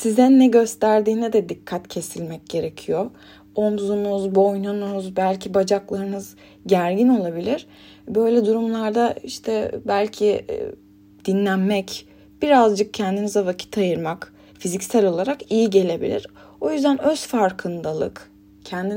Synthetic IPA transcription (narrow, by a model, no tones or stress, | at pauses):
sizɛnːɛɟø̞st̪ʰæɾd̪iːnɛd̪ɛd̪ikʰːat̪cʰe̞silʲmɛc̚ɟe̞ɾe̞cʰijo | omzumuzbo̞jnunuzbælʲcʰibad͡ʒaklˠaɾɯnɯz | ɟæɾɟino̞lˠabilʲiɾ̥ | bø̞jlʲɛd̪uɾumlˠaɾd̪aiʃt̪ʰɛbælʲcʰi | d̪̥inlʲænmɛc | b̥iɾazd͡ʒɯk̚cʰɛnd̪inizɛvacʰi̥t̪ʰajɯɾmak | fizicsælʲo̞lˠaɾakijiɟe̞lʲe̞bḭlʲḭɾ̥ | o̞jyzd̪ænø̞zfaɾkʰɯnd̪alˠɯ̰k | cʰɛnd̪i